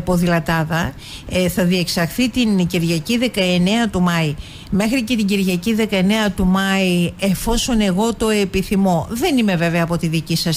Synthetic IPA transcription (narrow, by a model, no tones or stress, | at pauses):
poðilɐt̪ɐðɐ | θɐðie̞ksɐxθit̪inɟiɾʝɐciðe̞kɐe̞ne̞ɐt̪umɐi | me̞xɾice̞t̪iɟiɾʝɐciðe̞kɐene̞ɐt̪umɐie̞fo̞so̞ne̞ɣo̞t̪o̞e̞piθimo̞ðe̞nime̞ve̞veɐpo̞t̪iðicisɐs